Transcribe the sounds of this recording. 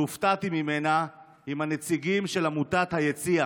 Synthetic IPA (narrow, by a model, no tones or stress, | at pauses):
uft̪at̪imimena | imhanet͡siɡimʃelamut̪at̪hajet͡sia